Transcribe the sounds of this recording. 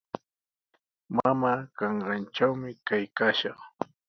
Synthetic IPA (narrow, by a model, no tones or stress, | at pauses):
mamaːkɑɴɾɑnt͡ʃawmɪkajkaːʃɑχ